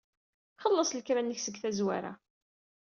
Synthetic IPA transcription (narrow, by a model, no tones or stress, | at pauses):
χəlːəsˤləkɾænːəçsəɡθæzwa̰ɾa̰